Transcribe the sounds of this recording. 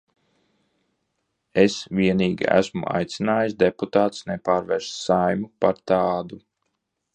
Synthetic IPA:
esvʲiɛniːɡʲḭæ̰smṵʔa̰jt̪sinaːjisd̪eput̪aːt̪snɛpaːɾvɛɾʃsajmupaɾt̪aːd̪u

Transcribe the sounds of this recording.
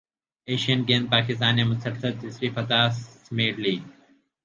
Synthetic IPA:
eːʃijɐnɡeːnpaːkɪst̪aːnemʊsʰɐɾsɐɪsɾiːfɐt̪aːsmeːʈliː

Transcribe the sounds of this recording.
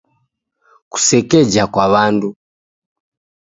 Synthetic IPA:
ku̥sɛkɛd͡ʒakwaβandu

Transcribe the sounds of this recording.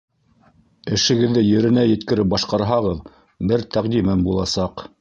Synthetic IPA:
ɘ̆ʃɘ̆ɡɘ̆ðːɘjɘ̆ɾɘ̆næjɘ̆t̪kɘ̆ɾɘp̚bɑʃqɑɾɦɑʁɤð | bɘɾt̪ʰæqd̪imæmbulˠɑsɑq

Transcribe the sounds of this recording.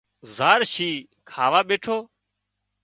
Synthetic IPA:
zaːɾʃiː | kʰaːʋaːɓeːʈʰoː

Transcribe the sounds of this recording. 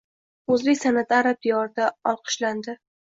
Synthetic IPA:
ɵzlɪkʲsanat̪aɾap̚d̪ɪjɒɾd̪aɒlˠqʰɨ̥ʃland̪ɪ

